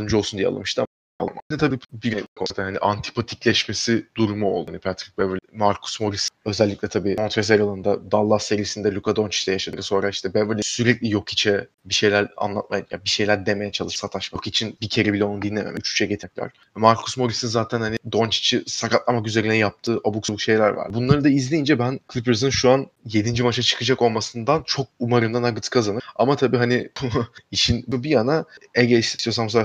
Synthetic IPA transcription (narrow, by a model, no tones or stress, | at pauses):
ɯmd͡ʒo̞lˠsund̪ijɛa̰lˠa̰mɯʃt̪ʰɯ | a̰lˠmanit̪ʰabiːbiɾkʰot̪ʰænhaniʔant̪ʰi̥pʰat̪ʰi̥clʲɛʃme̞sid̪uɾumuo̰lˠanipʰæt̪ɾic̚bɛvmaɾkʰu̥smo̞ɾisø̞zɛlʲːiclʲɛt̪ʰabiːont̪ɾes̬eɾalˠɯnd̪ad̪alˠːase̞ɾijisind̪ɛlʲukʰad̪o̞nt͡ʃi̥t͡ʃd̪ɛjaʃad̪ɯɾɯso̞nɾaiʃt̪ʰɛbɛvɯɾlʲisyɾɛclʲijo̞kʰit͡ʃʰɛ | biʃe̞jlʲæɾa̰nlˠa̰t̪̚majja̰biʃe̞jlʲæɾd̪e̞me̞jɛt͡ʃʰalˠɯʃsat̪ʰaʃmakit͡ʃʰinbicʰe̞ɾibilʲɛonud̪inʲːemḛmɛyt͡ʃy̥t͡ʃʰɛɟet̪ʰɛclʲæ̰ɾ̥ | maɾkʰosmo̞ɾisinzaːt̪ʰænhanid̪o̞nt͡ʃʰi̥t͡ʃʰisakat̪lˠamakyze̞ɾinɛjap̚t̪ʰɯːʔabuksbuʃe̞jlʲæ̰ɾva̰ɾbunlˠaɾɯd̪aizlʲejind͡ʒɛbænkʰlʲipɯɾzɯnʃuanje̞d̪ind͡ʒimaʃat͡ʃʰɯ̥kʰɯd͡ʒako̞lˠmasɯnd̪ant͡ʃʰo̞k̚umaɾɯmd̪anaɡɯt̪ʰɯ̥kʰazanɯa̰mat̪ʰabiːɦanibuiʃinbubijanaɛɟʲiʃt̪sijos̬ams̬o